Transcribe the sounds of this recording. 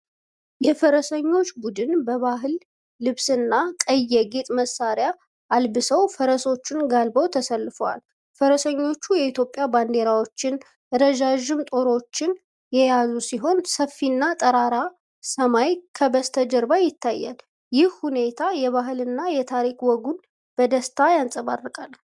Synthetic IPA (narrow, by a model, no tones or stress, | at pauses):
jɛfəɾəsəɲːo̞t͡ʃːbud̪ɨnbəβaɦɨlː | ɨβsɨnːakʼəjːɛɡe̞t̪ʼməsːaɾja | ʔːlbɨsəwfəɾəso̞t͡ʃːɪnɡalbəwt̪ʰəsəlːɨfəwa̰l | fəɾəsəɲːo̞t͡ʃːujɛit̪ʰjopʼjaband̪e̞ɾawo̞t͡ʃːɪn | ɨɾəʒaʒɪmt̪ʼo̞ɾo̞t͡ʃːɪn | jɛjazusiɦo̞nsəfːinːat̪ʼəɾaɾa | səmajkʰəbəst̪ʰəd͡ʒəɾbajɪt̪ʰːajːa̰l | jɪhhune̞t̪ʰajɛβaɦɨlɨnːajɛt̪ʰaɾikwɔɡun | b̥əd̪əst̪ʰajansʼəβarːɨkʼal